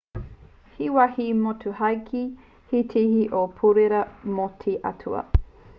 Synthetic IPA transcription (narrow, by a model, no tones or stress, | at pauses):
hiwahimotʰuhɐjkʰi | hitʰihiʔopʰuɾeɾɐmotʰiʔɐ̰tʰuɐ̰